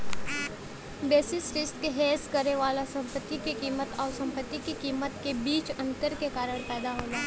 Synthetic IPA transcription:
beːsisɾɪsʈ̪keɦeːskəɾeʋaːlasɐ̃mpət̪ːikekiːmət̪ɔːɾsɐ̃mpət̪ːikikiːmət̪kebiːt͡ʃɐ̃nt̪əɾkekaːɾəɽ̃pɛːd̪aɦoːlaː

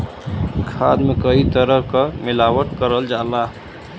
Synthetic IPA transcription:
kʰad̪mekəɦit̪əɾəɦkəmilawəʈkəɾəld͡ʒala

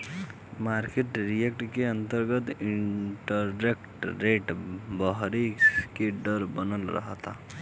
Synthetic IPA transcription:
maɾkeʈɾijek̚ʈkeənt̪əɾɡət̪iɳʈəɾːekʈɾeʈbəɦɾikeɖəɾbənəlɾə̰ɦt̪a̰

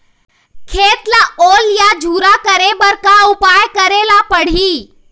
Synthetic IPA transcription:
kʰeːt̪laoːljad͡ʒʱuːɾakəɾebəɾkaʊpajkəɾelapəɽ̤iː

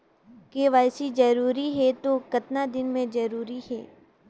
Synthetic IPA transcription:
keʋaːɪsid͡ʒɐɾuːɾiɦɛt̪okɐt̪nad̪ɪnmẽd͡ʒɐɾuːɾiɦɛ̰ː

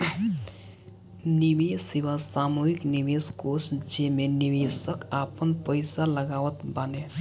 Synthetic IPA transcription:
nimesiʋasamuɦikniʋeskosd͡ʒemeniʋesəkapənpəɪsaləɡaːʋət̪bane

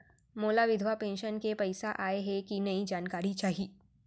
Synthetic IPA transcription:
moːlaʋɪd̪ʱwapẽːnʃənkepɐɪsaʔaːeɦɛkinɐid͡ʒaːnkaːɾit͡ʃaːɦiː

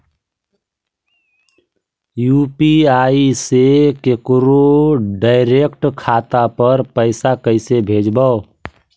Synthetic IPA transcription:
jupiaisekekɾoɖaɪɾekʈkʰat̪apəɾpəɪsakəɪsebʱed͡ʒbə

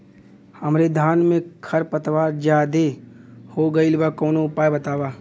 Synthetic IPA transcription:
hɐmɾed̪ʱaːnmẽkʰɐɾpət̪ʋaːɾd͡ʒjaːd̪ehoːɡɐilʋakɔːnoʊpaːjbɐt̪aːʋaː

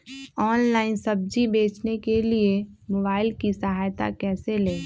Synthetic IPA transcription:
ɔːnlaːɪnsəb̚d͡ʒibeːt͡ʃnekeliemoːbaːɪlkisəɦaːjt̪a̰kɛːseleː

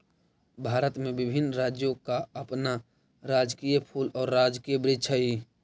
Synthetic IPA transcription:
bʱaːɾət̪mẽbɪbʱɪnːɾaːd͡ʒjõkaəpna | ɾaːd͡ʒkiːjəpʰuːlɔːɾːaːd͡ʒkijəbɾɪt͡ʃʰaɦi

